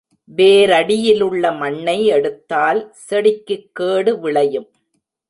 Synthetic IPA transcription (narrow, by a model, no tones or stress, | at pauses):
ʋeːɾɐɽɪjɪlɯɭːɐmɐɳːɐɪɛɽɯt̪ːaːlsɛɽɪkːɯkːeːɽɯʋɪɭɐjɯm